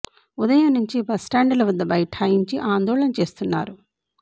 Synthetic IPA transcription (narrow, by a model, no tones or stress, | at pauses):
ud̪ɐjɐmnuɲt͡ʃibɐsʈaːɳɖɐlɐʋɐd̪ːɐbɐjɐʈʰaːjiɲt͡ʃiʔaːnd̪ɔːɭɐnɐt͡ʃe̞ːst̪unːaːɾu